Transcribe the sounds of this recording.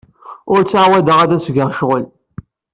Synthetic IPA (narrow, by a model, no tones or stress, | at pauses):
ʊɾt͡sːaʕwæd̪əʁæðæsɡəʁʃʁəl